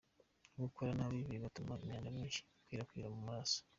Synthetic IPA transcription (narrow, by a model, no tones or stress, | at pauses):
ɡukoɾanaβiβiɾiβatumaemɲaːndamɲiːnʃi̥kwiːɾakwiːɾamumaaso̥